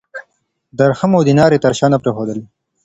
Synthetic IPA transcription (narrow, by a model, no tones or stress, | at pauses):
d̪ɐɾxɐmod̪inɑːɾet̪ɐɾʃɑːnapɾexoːd̪əl